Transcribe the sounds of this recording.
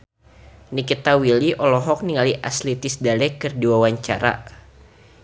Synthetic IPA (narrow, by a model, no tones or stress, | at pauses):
nikit̪awiliʔɔlɔɦɔk̚niŋaliʔaslit̪ɪsdalɛkərduwawaɲt͡ʃa̰ɾa̰